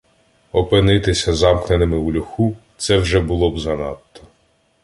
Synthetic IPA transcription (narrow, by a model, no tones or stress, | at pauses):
ɔpɪnɪt̪ɪsʲɐzɑmknenɪmɪulʲʊxut̪sɛwʒɛbʊlˠɔbzɐnɑ̰t̪ːɔ̥